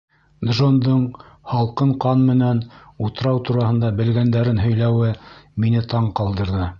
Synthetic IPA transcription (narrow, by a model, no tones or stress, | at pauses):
d̪ʒond̪ɤɴ | hɑlˠqɤɴqɑnmɘ̆nænut̪ɤ̆ɾɑwt̪uɾɑhɤ̆nd̪ɑbɘ̆lɡænd̪æɾɘnɦɵ̆jlæwɘminɘt̪ɑɴqɑlˠd̪ɤ̆ɾðɤ